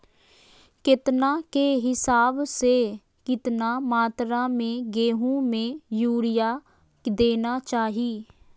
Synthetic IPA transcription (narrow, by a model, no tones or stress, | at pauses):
kɪt̪nãːkeːɦɪsaːbseː | kɪt̪naːmaːt̪ɾãːmẽːɡeːɦũːmẽːjuːɽɪjaː | d̪eːnaːt͡ʃaːɦiː